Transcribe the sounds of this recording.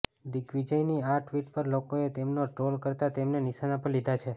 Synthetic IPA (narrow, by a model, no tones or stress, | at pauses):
d̪ikʋid͡ʒəjniaʈʰʋiʈpəɾlokoet̪emnoʈɾolkəɾt̪at̪emnenɪʃanapəɾlid̪ʱat͡ʃʰe